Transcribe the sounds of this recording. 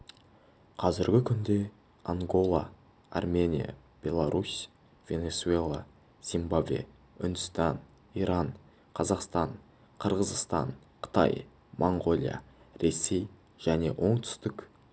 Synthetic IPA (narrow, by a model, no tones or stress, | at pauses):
qʰɑzɪɾɡʲɪkʲʰʏnd̪e̞ | aɴɡo̞lˠa | a̰rme̞nʲija̰ | b̥ʲe̞lˠaɾʔus | v̥ʲe̞ne̞sue̞lˠa | z̥imbabvḛ | ʏnd̪ʏst̪ɑn | iɾɑnɴ | qʰɑzɑqst̪ɑɴ | qʰəɾʁəzəst̪ɑ̰ɴ | qʰə̥t̪ɑ̰j | mʔoɴɡo̞lʲˠija̰ | ɾe̞sːe̞j | ʒ̥æne̞̰wʔo̞ɴt̪ʰʏ̥st̪ɪkʲ